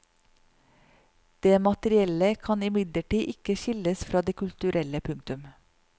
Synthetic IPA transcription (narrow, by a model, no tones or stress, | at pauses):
d̪̥eːmɑt̪əɾɪɛləkʰɑnɪmɪd̪ləʈiːʔɪkəʃɪləsfɾɑːd̪eːkʰʉlt̪ʉɾʔɛləpʰʉŋt̪ʉm